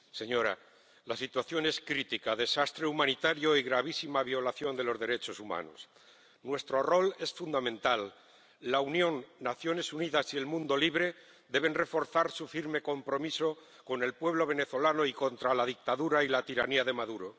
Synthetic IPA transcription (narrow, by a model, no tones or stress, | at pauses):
se̞ɲo̞ɾa̰ | lasit̪waθjo̞ne̞skɾit̪ikaðe̞sast̪ɾeumãnit̪aɾjo̞iɣɾaβ̞isimaβ̞jo̞laθjo̞nd̪elo̞zðe̞ɾe̞t͡ʃo̞suma̰no̞̰s | nwe̞st̪ɾo̞ro̞le̞sfund̪amẽ̞nt̪alː | aunjõ̞nːaθjo̞ne̞suniðasie̞lmũnd̪o̞liβ̞ɾe̞ | d̪e̞β̞e̞nre̞fo̞ɾθaɾsufiɾme̞ko̞mpɾo̞miso̞ | ko̞ne̞lpwe̞β̞lo̞β̞e̞ne̞θo̞lano̞iko̞nt̪ɾalaðik̚t̪aðuɾailat̪iɾaniaðe̞maðuɾo̞